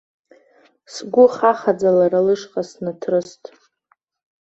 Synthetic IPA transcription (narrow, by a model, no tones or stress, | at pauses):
sɡʷʊχaχad͡zalaɾalɨʂqʼasnɨtʰrɨstʼ